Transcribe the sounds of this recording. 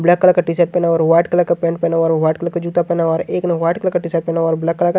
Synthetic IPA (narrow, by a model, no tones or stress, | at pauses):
blakːəlakːaʈisɛʈ̚pɛːnaɔːɾʋaːɪʈkəlakːapɛ̃ːɳʈpɛnaɔːɾʋaːʈ̚kɐlakːad͡ʒut̪apɛːnaɔːɾeːkneʋaːʈkɐlakaʈisaʈ̚pɛnaɔːɾblakːəlaka